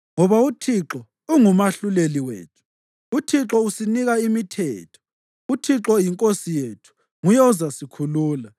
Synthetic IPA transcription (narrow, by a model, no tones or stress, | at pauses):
ŋɔβautʰiǁɔ | uŋumaɬuleliwḛːtʰu̥ | utʰiǁɔusiniɣaimitʰɛ̰ːtʰɔ̥ | utʰiǁɔjiŋkʼosijetʰu̥ | ŋujɔzasikʰuluːla